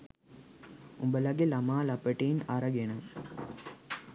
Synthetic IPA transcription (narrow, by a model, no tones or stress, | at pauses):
ʊmbɐlɐɡelɐmaːlɐpːəʈːiːnɐɾɐɡenɐm